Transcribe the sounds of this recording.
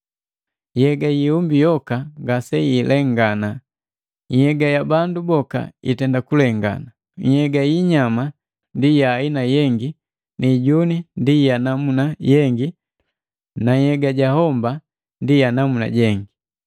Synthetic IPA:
jɛɡajiumbijɔkaŋɡasɛilɛŋɡana | ɲ̩hɛɡajabandubɔka̰ḭtɛndakulɛŋɡa̰na | ɲ̩hɛɡaiɲama | ndijainajɛŋɡi | niɟunindijanamunajɛŋɡi | naɲhɛɡaɟahɔmba | ndijanamuna̰ɟɛŋɡi

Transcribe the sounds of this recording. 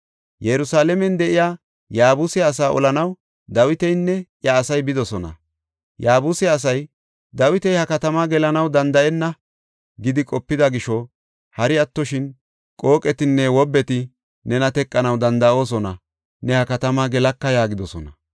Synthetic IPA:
jɛɾʊsaːlɛmɛnd̪ɛʔɪjaː | jaːbʊsɛɐs̬aːʔɔ̰lɐnɐw | d̪ɐwɪt̪ɛjnːɛjɐːsɐjbɪd̪ɔsɔnɐ̰ | jaːbʊsɛɐs̬ɐj | d̪ɐwɪt̪ɛjhɐkɐt̪ɐmaːɡɛlɐnɐwd̪ɐnd̪ɐʔɛnːɐ | ɡɪd̪ɪkʼɔpːɪd̪ɐɡɪʃɔ | hɐɾɪɐt̪ːɔʃɪn | kʼo̞ːkʼɛt̪ɪnːɛwɔbːɛt̪ɪ | nɛnɐt̪ɛkʼːɐnɐwd̪ɐnd̪ɐʔo̞ːs̬ɔnɐ | nɛhɐkɐt̪ɐmaɡɛlɐkːɐjaːɡɪd̪ɔsɔnɐ̰

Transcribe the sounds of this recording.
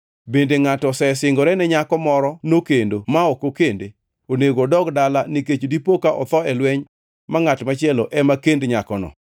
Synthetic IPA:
bendeŋatɔsɛsɪŋɡɔɾɛnɛɲakɔmɔɾɔnokendomaokokende | oneɡodɔɡdalaniket͡ʃodipokaʔɔt̪ɔɛlwɛɲ | maŋatmat͡ʃɪɛlɔʔɛmakendɲakɔnɔ̰

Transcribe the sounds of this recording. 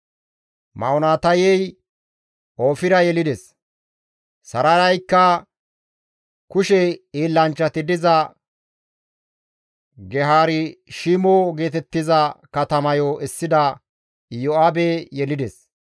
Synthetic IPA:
mɐɔnaːt̪ɐjɛj | oːfɪɾɐjɛlɪd̪ɛs | sɐɾɐɾɐjkːɐ | kʊʃɛiːlːɐnt͡ʃːɐt̪ɪd̪ɪzɐ | ɡɛɦaːɾɪʃimoɡe̞ːt̪ɛt̪ːɪzɐkɐt̪ɐmɐjoʔɛsːɪd̪ɐ | joabejɛlɪd̪ɛs

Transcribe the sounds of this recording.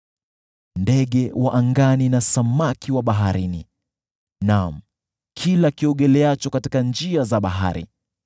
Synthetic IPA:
ndɛɠɛwaʔaŋɡaninasamakiwaɓaɦaɾinḭ | nam̩ | kʰilakiɔɠɛlɛat͡ʃɔkati̥kand͡ʒiazaɓaɦa̰ɾḭ

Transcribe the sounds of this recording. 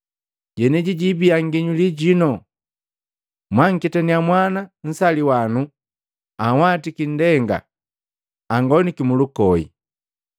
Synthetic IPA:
ɟɛnɛɟiɟibiaŋɡiɲuliɟinɔ | mwaŋ̩kitɛniamwanan̩saliwanu | awatikin̩dɛŋɡa̰ | aŋɡɔnikimulukɔḭ

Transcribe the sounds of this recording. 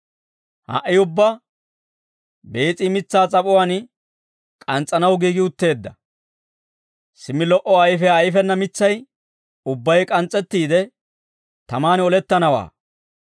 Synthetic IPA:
ha̰ʔɪʊbːɐ | be̞ːt͡sʼɪmɪt͡sːaːt͡sʼɐpʼʊwaːn | kʼɐnt͡sʼːɐnɐwɡiːɡɪʊt̪ːe̞ːd̪ːɐ | sɪmːɪlɔʔɔɐjfɛɐjfɛnːɐmɪt͡sːɐj | ʊbːɐjkʼɐnt͡sʼːɛt̪ːiːd̪ɛ | t̪ɐmaːnɔlɛt̪ːɐnɐwa̰ː

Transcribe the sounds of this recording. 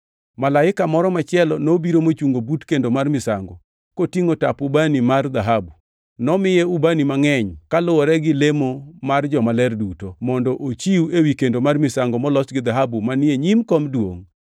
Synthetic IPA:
malaɪkamɔɾɔmat͡ʃɪɛlɔnobiɾomot͡ʃuŋɡobutkendomarmɪsa̰ŋɡɔ | kotiŋotapubanimard̪aɦabu | nɔmɪjɛubanimaŋɛɲkalʊwɔɾɛɡɪlemomard͡ʒɔmalɛrdutomɔndɔʔot͡ʃiuewikendomarmɪsaŋɡɔmɔlɔsɡɪd̪aɦabumanɪeɲimkɔmdwo̰ŋ

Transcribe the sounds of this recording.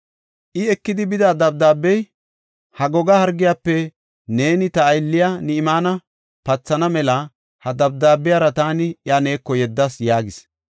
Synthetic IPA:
ʔɪɛkːɪd̪ɪbɪd̪ad̪ɐb̚d̪aːbːɛj | hɐɡɔɡɐhɐɾɡɪjaːpːɛ | ne̞ːnɪt̪ɐːjlːɪjanɪɪmaːnɐ | pɐt͡sːɐnɐmɛlɐ | hɐd̪ɐb̚d̪aːbːɪjaːɾɐt̪aːnɪjane̞ːkːɔjɛd̪ːɐsjaːɡɪs

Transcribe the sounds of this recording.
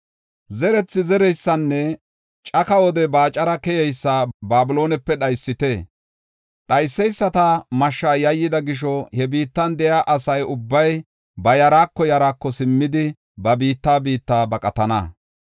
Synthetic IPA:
zɛɾɛt͡sːɪzɛɾɛjsːɐnːɛ | t͡ʃʼɐkɐwɔd̪ɛbaːt͡ʃʼɐɾɐkɛjɛjsːabaːbɪlo̞ːnɛpːɛɗɐjsːɪt̪ɛ | ɗɐjsːɛjsːɐt̪ɐmɐʃːaːjɐjːɪd̪ɐɡɪʃ̬ɔhɛbiːt̪ːɐnd̪ɛjaʔɐsɐjʊbːɐj | bɐjɐɾaːkːɔjɐɾaːkːɔsɪmːɪd̪ɪ | bɐbiːt̪ːaːbiːt̪ːaːbɐkʼɐt̪ɐnɐ̰

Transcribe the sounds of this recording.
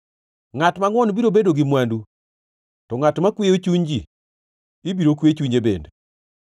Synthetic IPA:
ŋatmaŋwɔnbiɾobedoɡimwandu | tɔŋatmakweot͡ʃuɲd͡ʒi | ibiɾokwet͡ʃuɲebḛnd

